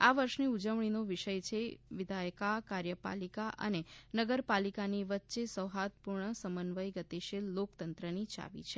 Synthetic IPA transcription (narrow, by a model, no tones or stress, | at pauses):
aʋəɾʃniud͡ʒəʋɳ̃inoʋɪʃəjt͡ʃʰeʋɪd̪ʱajkakaɾjəpa̰likaʔə̰nenəɡəɾpalikaniʋət̪ːʃesəʋɦat̪̚puɾɳəsəmənʋəjɡət̪eʃelːokt̪ənt̪ɾənit͡ʃa̰ʋḭt͡ʃʰe